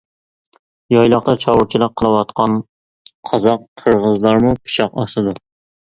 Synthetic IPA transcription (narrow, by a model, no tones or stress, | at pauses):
jɑjlˠɑqt̪ɑt͡ʃʰɑwʊɾt͡ʃʰilˠɪq̚qʰːəlˠɨwɑt̪qʰɑn | qʰɑzɑqʰːəɾʁəzlˠɑɾmʊpʰɪ̥t͡ʃʰɑqɑsɨd̪ʊ